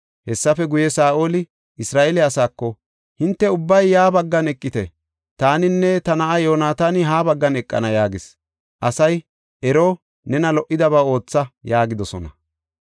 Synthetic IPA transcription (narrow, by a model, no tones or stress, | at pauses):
hɛsːɐfɛɡʊjɛsaːʔo̞ːlɪ | ɪsɾaːʔelɪɐsaːkːɔ | hɪnt̪ːɛʊbːɐjːaːbɐɡːɐnɛkʼːɪt̪ɛ̰ | t̪aːnɪnːɛt̪ɐnɐʔajoːnaːt̪anɪɦaːbɐɡːɐnɛkʼːɐ̰nɐjaːɡɪs | ʔɐsɐj | ʔɛɾoː | nɛnɐlɔʔɪd̪ɐβaːo̞ːt͡sːɐjaːɡɪd̪ɔsɔnɐ